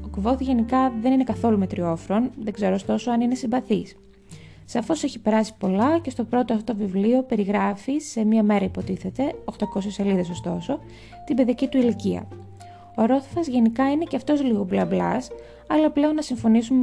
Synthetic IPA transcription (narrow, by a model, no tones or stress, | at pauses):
okvo̞θʝe̞nikɐðe̞nine̞kɐθo̞lume̞t̪ɾio̞fɾo̞nðe̞ɡze̞ɾost̪o̞soɐnine̞siɱbɐθis | sɐfo̞se̞çipe̞ɾɐsi̥po̞lɐcest̪o̞pɾo̞t̪oɐfot̪ovivlio̞pe̞ɾiɣɾɐfise̞mɲɐme̞ɾɐipo̞t̪iθe̞t̪e̞oxt̪ɐko̞sese̞liðe̞so̞st̪o̞so̞ | t̪ibe̞ðiɐcit̪uiliciɐ̰ | oɾo̞θofɐzʝe̞nikɐine̞ceɐft̪o̞sliɣo̞blɐblɐs | ɐlɐple̞o̞nːɐsiɱfo̞nisum